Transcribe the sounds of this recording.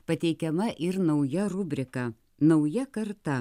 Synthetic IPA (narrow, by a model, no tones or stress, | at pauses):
pɐt̪ʲɛɪkʲɛmɐʔɪɾnɐʊjɛɾʊbʲɾʲɪkɐ | nɐʊjɛkɐɾt̪ɐ